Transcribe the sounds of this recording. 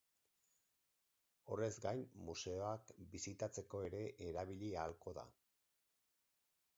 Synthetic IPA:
o̞re̞zɡajmmuse̞o̞akbisit̪at͡se̞ko̞e̞ɾe̞ʔeɾaβiʎialko̞ða̰

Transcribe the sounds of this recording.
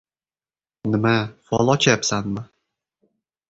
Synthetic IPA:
nɪmafɒlˠɒt͡ʃʰajapsanmɪ

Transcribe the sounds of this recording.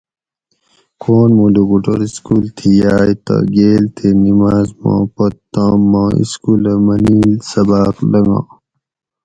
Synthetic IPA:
kʰoːnmuluɡuʈoɾiskuːlt̪ʰijaːjt̪ɐ̰ɡeːlt̪ʰenimaːzmɐ̰̃pɐt̪t̪amːaːḭskuːlɐmɐniːlsɐbaːklɐŋɡa̰

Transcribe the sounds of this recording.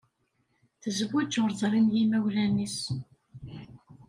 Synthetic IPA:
θəzəbut͡ʃːʊɾˤzˤɑɾˤinjimæwlænis

